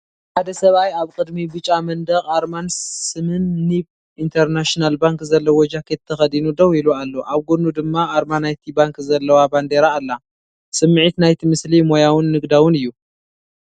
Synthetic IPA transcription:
ħad̪ɐsɐβajaβkʼɨd̪mibɨt͡ʃʼamɐnd̪ɐɣʼaɾmansɨmɨnːib | int̪ʰɐɾnaʃnalbaŋkzɐlːɐwɔd͡ʒakʰet̪ʰːɐxɐd̪inud̪ɐwilualːoʔaβɡonud̪ɨmːaʔaɾmanajt̪ʰibaŋkzɐlːɐwaband̪eɾaːlːa | sɨmːɨʕit̪najt̪ʰimɨslimojawʊnːɨɡd̪awʊnɨjːu

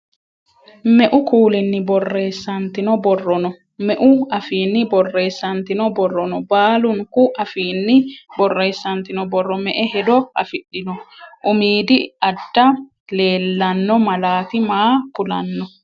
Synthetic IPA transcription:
mɛʔʊkuːlɪnːɪbɔrːe̞ːsːɐnt̪ɪnɔbɔrːɔnɔ | mɛʔʊɐfiːnːɪbɔrːe̞ːsːɐnt̪ɪnɔbɔrːɔnɔbaːlʊŋkʊʔɐfiːnːɪbɔrːeːsːɐnt̪ɪnɔbɔrːɔmɛʔɛhɛd̪ɔɐ̰fɪɗːɪnɔʔʊmiːd̪ɪɐd̪ːɐ | le̞ːlːɐnːɔmɐlaːt̪ɪmaːkʊlɐnːɔ

